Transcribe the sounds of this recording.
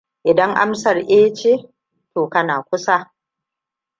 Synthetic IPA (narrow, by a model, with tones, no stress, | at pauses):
ʔɪ˨dɐ˦ŋʔa̰˦msɐ˨rʔeː˦t͡ʃe˦ | toː˨kɐ˦naː˨kʷʊ˦sa˦